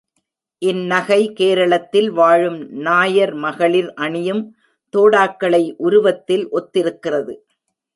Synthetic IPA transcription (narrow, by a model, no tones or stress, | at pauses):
ʔɪnːɐɣɐɪkeːɾɐɭɐt̪ːɪlʋaːɻɯmnaːjɐɾmɐɣɐɭɪɾʔɐɳɪjɯm | t̪oːɽaːkːɐɭɐɪʔʊɾʊʋɐt̪ːɪlʔɔt̪ːɪɾɯkːɪrɐðɯ